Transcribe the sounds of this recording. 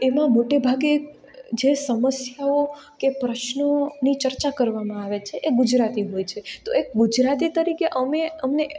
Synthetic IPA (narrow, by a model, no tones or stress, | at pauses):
emãmoʈebʱaɡe | d͡ʒesəməsjaokepɾəʃnənit͡ʃəɾt͡ʃakəɾʋamãaʋet͡ʃʰeʔeɡʊd͡ʒɾat̪iɦojt͡ʃʰet̪oek̚ɡud͡ʒɾat̪it̪əɾikeʔəmeəmne